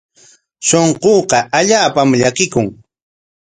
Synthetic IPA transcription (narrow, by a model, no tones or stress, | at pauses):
soɴqoːqɑʔaʎaːpamʎakɪkʊŋ